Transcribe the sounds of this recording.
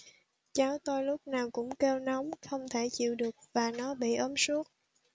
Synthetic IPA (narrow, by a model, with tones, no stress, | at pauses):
t͡ɕaː˨˦wt̪o˧jlʊ˦˥k͡p̚naː˨˩wkʊ̰˧˥ŋ͡mke˧wna˨˦wŋ͡mxə˧wŋ͡mt̪ʰe˧˩t͡ɕḭ˧˨wɗɨ˨˩ək̚vaː˨˩nɔ˨˦ɓḭ˧˨ʔəː˨˦msu˦˥ət̚